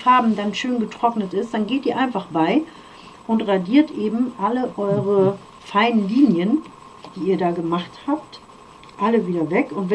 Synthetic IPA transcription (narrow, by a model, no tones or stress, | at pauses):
faɐbm̩danʃøːnɡətʁ̥ɔknətɪstd̥anɡeːtiːɐʔaɪnfaχb̥aɪ | ʔʊntʁadiːɐtʔeːbm̩ʔaləʔɔʏʁ̞ə | faɪnənliːnjən | d̥iːiːɐdaːɡəmaχthaːp̚t | ʔaləviːdɐvɛkʊntv̥ɛ